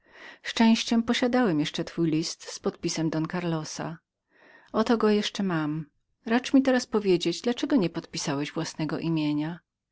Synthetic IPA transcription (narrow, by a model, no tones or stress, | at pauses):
ʂt͡ʂɛ̃w̃ɕt͡ɕɛmpɔɕad̪awɛmjɛʂt͡ʂɛt̪fujlʲist̪spɔt̪̚pʲisɛmd̪ɔnkaɾlɔsa̰ | ɔt̪ɔɡɔjɛʂt͡ʂɛmam | ɾat͡ʂmʲit̪ɛɾaspɔvʲjed͡ʑed͡ʑd̪lat͡ʂɛɡɔɲɛpɔt̪pʲisawɛʑvwasnɛɡɔʔimʲjeɲa